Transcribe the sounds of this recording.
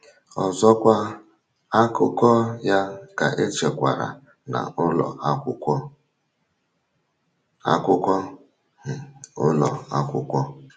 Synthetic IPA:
ɔ˨zɔ˦kʷa˦ | a˦kʊ˦kɔ˦ja˦ka˨ʔe˦t͡ʃe˨kʷa̰˨ɾa̰˨ | na̰˨ʔʊ˦lɔ̰˨a˦kʷʊ˦kʷɔ˦ | a̰˦kʷʊ˦kʷɔ˦ | m̩˨ʊ̰˦lɔ˨a˦kʷʊ˨kʷɔ˦

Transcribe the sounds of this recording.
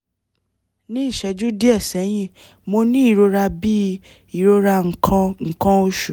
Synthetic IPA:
nĩ˦i˦˨ʃɛ˧d͡ʒu˦di˦ɛ˦˨sɛ˨˦j̃ĩ˦˨ | mo˧nĩ˦i˦˨ɾo˧ɾa˧bi˦ | i˨ɾo˧ɾa˧ŋ̩˨kʰã˧ŋ̩˨kã˧o˧ʃu˨

